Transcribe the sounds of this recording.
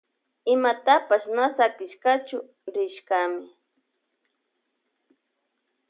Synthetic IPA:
ɪmat̪apasnasakɪʃkat͡ʃʊ | ɾɪʃkamɪ

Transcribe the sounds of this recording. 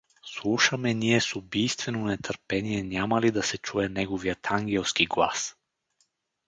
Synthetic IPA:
slˠuʃamɛniɛsubijst̪vɛnonɛt̪əɾpɛnijɛnʲamalid̪asɛt͡ʃuɛnɛɡovijat̪ʰaŋɡʲɛlˠskiɡlˠa̰s

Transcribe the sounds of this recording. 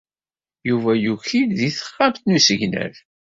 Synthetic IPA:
juvæjuçilðiθə̥χːamθnusəʝnæ̰ɾ

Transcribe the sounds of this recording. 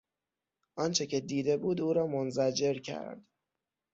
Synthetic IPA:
ʔɒːnt͡ʃʰe̞cʰe̞d̪iːd̪e̞buːd̪uːɾɒːmonzæd͡ʒe̞ɾcʰæ̰ɾd̪̥

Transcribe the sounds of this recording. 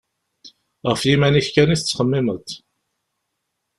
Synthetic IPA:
ʁəfjimæniçkæniθət͡sːχəmːɪmət̪

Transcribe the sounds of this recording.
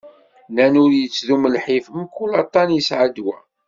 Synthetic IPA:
nænʊɾjət͡sːðuməlħifəmkːulɑt̪ˤːɑnjəsʕəd̪wæ

